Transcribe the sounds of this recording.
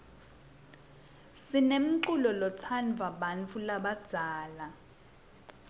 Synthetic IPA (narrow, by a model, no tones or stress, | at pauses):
sinem̩ǃulɔlɔt͡sʰanvʱaɓant͡fʰulaɓad̥z̥ʱaːla